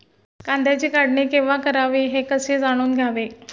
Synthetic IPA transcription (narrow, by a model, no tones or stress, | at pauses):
kand̪ʱjat͡ɕiːkaɽɳiːkeʋakəɾaʋiːɦekəsed͡zaɽ̃uːnɡʱjaʋe